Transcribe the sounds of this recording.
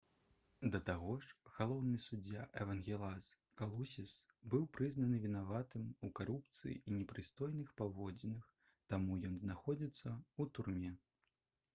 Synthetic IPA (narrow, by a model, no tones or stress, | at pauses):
d̪ɐt̪aɣɔʂɣ̥alˠɔwnisud͡zʲːaʔɛvɐnɣʲɛlˠas | kalˠusʲis | bɨwpɾɨznɐnɨvʲinavat̪ɨmukaɾup̚t̪sɨ̰jḭinʲɛpɾɨst̪ɔjnɨxpavɔd͡zʲinɨx | t̪amujɔnznaxɔd͡zʲit̪sːɐut̪urmʲɛ